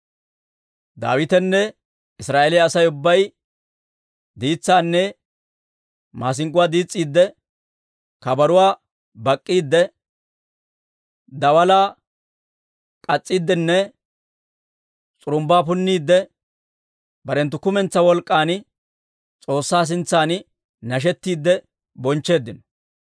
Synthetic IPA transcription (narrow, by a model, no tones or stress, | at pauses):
d̪a̰ːwɪt̪ɛnːɛ | ɪsɾaːʔelɪjɐːsɐjʊbːɐj | d̪iːt͡sːaːnːɛ | maːs̬ɪŋɡʊwaːd̪iːt͡sʼːiːd̪ːɛ | kɐbɐɾʊwaː | bɐkʼːiːd̪ːɛ | d̪ɐwɐlaː | kʼɐt͡sʼːiːd̪ːɛnːɛ | t͡sʼʊɾʊmbaːp̬ʊnːiːd̪ːɛ | bɐɾɛnt̪̬ːʊkʊmɛnt͡sːɐwɔlkʼːaːn | t͡sʼo̞ːsːaːs̬ɪnt͡sːaːn | nɐʃ̬ɛt̪ːiːd̪ːɛ | bɔnt͡ʃːe̞ːd̪ːɪnɔ̥